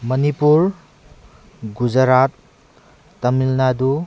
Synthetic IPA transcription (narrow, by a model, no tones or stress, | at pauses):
mʌnipuɾ | ɡud͡ʒɐɾat̪ː | ɐmilnadu